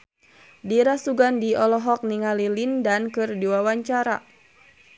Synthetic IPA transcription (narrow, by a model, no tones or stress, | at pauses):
diɾasuɡandiʔɔlɔɦɔk̚niŋalilindankɨrdiwawaɲt͡ʃaɾa̰